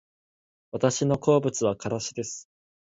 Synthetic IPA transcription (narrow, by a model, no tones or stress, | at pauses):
βat̪aɕino̞ko̞ːbɯ̟t͡sɨβakaɾaɕid̪e̞sɨ̥